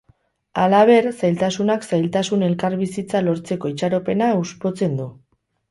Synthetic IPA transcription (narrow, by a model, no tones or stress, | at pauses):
alaβ̞e̞ɾsajlt̪asunaksajlt̪asune̞lkaɾβisit͡salo̞ɾt͡se̞ko̞it͡ʃaɾo̞pe̞nauspo̞t͡se̞nd̪u